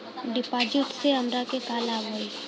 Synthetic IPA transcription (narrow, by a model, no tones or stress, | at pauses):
ɖɪpaːd͡ʒɪʈ̪seɐmɾakekaːlaːbɦoːi